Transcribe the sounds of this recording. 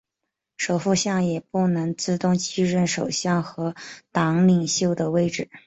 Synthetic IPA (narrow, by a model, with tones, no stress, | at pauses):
ʂo˨˩ʊfu˥˧ɕjɑ˥˩ŋjɛ˨˩pu˥˩nɤ˧˥ŋt͡sɹ̩˥˧t̪ʊ˥˧ŋt͡ɕi˥ɻə˥˩nʂo˨˩ʊɕjɑ˥˩ŋxɤ˧˥t̪ɑ˧˥ŋli˨˩ŋɕjo˥˩ʊd̪ə˩we˥˧ɪʈ͡ʂɻ̩˥˩